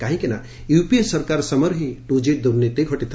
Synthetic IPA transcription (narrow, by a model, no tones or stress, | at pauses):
kaɦĩkena̰ | jupiesəɾkaɾsəməɾɦĩʈud͡ʒeʈ̚d̪uɾnet̪eɡʱɔʈit̪ʰ